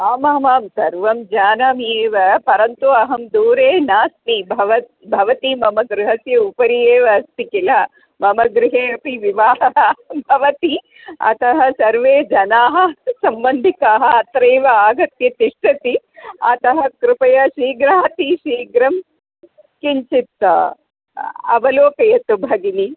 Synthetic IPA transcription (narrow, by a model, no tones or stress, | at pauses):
aːmɐmaːmsɐɾʋɐmd͡ʒaːnaːmeːʋɐpɐɾɐnt̪uɐɦɐmd̪uːɾeːnaːsmibʱɐʋɐt̪ | bʱɐʋɐt̪imɐmɐɡɾɪɦɐsjɐupɐɾijeːʋɐst̪ikilɐ | mɐmɐɡɾɪɦeːɐpiʋiʋaːɦɐɦɐbʱɐʋɐt̪i | ɐ̰t̪ɐɦɐsɐɾʋeːd͡ʒɐnaːɦɐ̆sɐmbɐnd̪ʱikaːɦɐɐt̪ɾeːʋɐaːɡɐt̪jɐt̪iʂʈɐt̪i | ɐ̰t̪ɐɦɐkɾupɐjɐʃiːɡɾaːt̪iʃiːɡɾɐm | kiɲt͡ʃit̪ːɐ̰ | ɐ̰ʋɐloːkɐjɐt̪ubʱɐɡini